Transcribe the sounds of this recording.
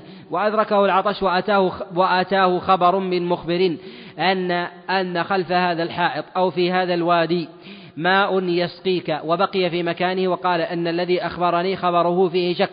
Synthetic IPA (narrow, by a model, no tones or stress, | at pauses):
waʔad̪ɾˤɑkahʊlʕɑt̪ˤɑʃwaʔat̪aːhʊwaʔat̪aːhʊxɑbɑɾˤmɪnmʊxbɪɾiːn | ʔanːa | ʔanːaxalfahaːðalħɑːʔɨt̪ˤʔawfiːɦaːðalwaːd̪iː | maːʔʊnjasqiːkawabaqɪjafiːmakaːnɪhwɑqɑːlaʔɪnːalːaðiːʔaxbɑɾˤɑniːxɑbɑɾˤʊhʊfiːhɪʃakː